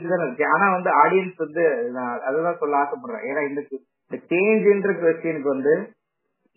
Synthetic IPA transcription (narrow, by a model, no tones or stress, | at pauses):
ʈːɯt̪ãːnɪɾɯkːɯ̃aːnaːʋɐnd̪ɯaːɽɪjɐnsʋɐnd̪ɯnãɐðɛt̪ãːsɔlːɐaːsɐp̬ːɐːɽɾḛ̃ːʔeːnːaːɪnd̪ɐkːɯ | nd̪ɐt͡ʃeːnd͡ʒɪndɾɐkʋɛsʈɪjɐnɯk̬ːɯʋɐnd̪ɯ